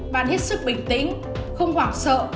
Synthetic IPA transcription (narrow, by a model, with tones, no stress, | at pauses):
ɓa̰ː˧˨nhe˦˥t̚sɨ˦˥k̚ɓï˨˩ŋ̟t̪ḭ̈˧˥ŋ̟ | xə˧wŋ͡mhwaː˨˩ŋsə̰ː˧˨